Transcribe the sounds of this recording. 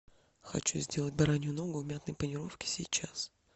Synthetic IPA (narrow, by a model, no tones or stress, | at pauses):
xɐ̰t͡ɕuzʲdʲe̞lˠət̚ʲbɐɾanʲjʊno̞ɡʊmʲat̪nəjpənʲɪɾo̞fkʲɪ̥sʲɪt͡ɕas